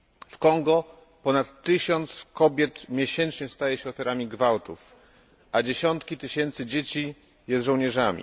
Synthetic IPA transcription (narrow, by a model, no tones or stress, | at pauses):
fkɔŋɡɔ | pɔnat̪ːɘɕɔnt̪skɔbʲjɛt̪mʲjɛɕɛnt͡ʂɲɛst̪ajɛɕɛɔfʲjɛɾamʲiɡvawt̪uf | ʔad͡ʑeɕɔnt̪kʲit̪ɘɕɛnt̪sɘd͡ʑet͡ɕi | jɛst̪ʐɔwɲɛʐamʲḭ